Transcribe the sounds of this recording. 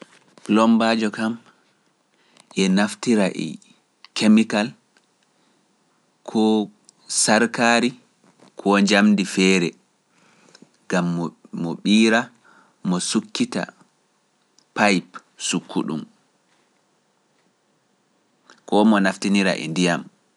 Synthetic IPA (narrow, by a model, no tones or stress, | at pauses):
lɔmbaːd͡ʒɔkam | ʔɛnaftiɾaʔɛ̰ | kemikal | kʰɔ | saɾkaːɾi | kʰɔɲd͡ʒamdifɛːɾɛ | ɡ̥amːmɔɓiːɾa | mɔsukʰːita̰ | pajp | sukʰːṵɗṵm | kɔmɔnaftiniɾa̰ʔɛ̰ndijam